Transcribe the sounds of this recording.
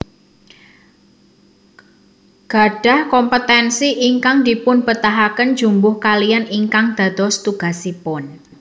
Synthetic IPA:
ɡ̥a̤ɖ̥a̤hkɔmpət̪ɛnsiʔiŋkaŋd̪̥ipʊnbət̪aɦakənd̥d͡ʒ̥umbʊhkalijaniŋkaŋd̪̥ä̤d̪̥ɔst̪uɡ̥a̤sipʊn

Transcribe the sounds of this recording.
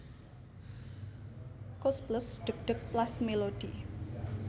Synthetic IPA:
kɔspləsɖ̪̥ək̚ɖ̪̥ə̤k̚plasmelod̥i

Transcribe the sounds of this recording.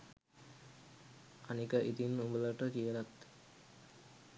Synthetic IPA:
anikəʔit̪inumbələʈəkijəlat̪

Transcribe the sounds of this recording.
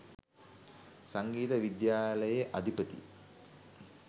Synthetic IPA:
saŋɡiːt̪əʋid̪jaːləjeʔad̪ʱipət̪ḭ

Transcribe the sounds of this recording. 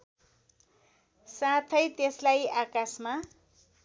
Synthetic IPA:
sat̪ʰʌjt̪eslajakasma

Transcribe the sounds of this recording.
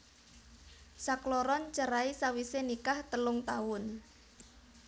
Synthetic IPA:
saklɔɾɔnt͡ʃəɾaisawisenikaht̪əlʊŋt̪awʊn

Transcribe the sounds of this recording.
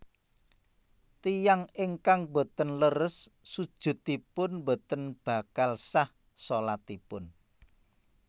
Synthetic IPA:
t̪ijaŋeŋkaŋbo̤t̪ənləɾəsːud̥ʒ̥ʊ̤t̪ipʊnbo̤t̪ənb̥a̤kalsah | solat̪ipʊn

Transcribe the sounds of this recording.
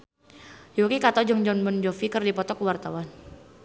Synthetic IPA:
jukikat̪ɔd͡ʒɔŋd͡ʒɔnbɔnd͡ʒɔfikɨrdipɔt̪ɔkəwart̪awan

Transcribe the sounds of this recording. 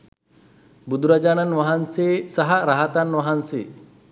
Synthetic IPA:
bud̪ʱuɾɐd͡ʒaːnɐnʋɐɦɐnseːsɐɦɐɾaɦat̪anʋɐɦɐnseː

